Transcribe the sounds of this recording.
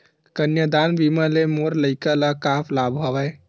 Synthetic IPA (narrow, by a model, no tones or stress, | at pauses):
kənjəd̪aːnbiməlemoɾləɪkəlakaːpʰlaːbʱɦɔʋɛ